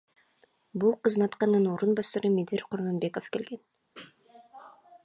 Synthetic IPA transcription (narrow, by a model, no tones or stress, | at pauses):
bulˠqɯzmɑt̪qɑnɯnoɾunbɑsɑɾɯmed̪iɾqʰuɾmonbe̞ko̞fke̞lɡe̞n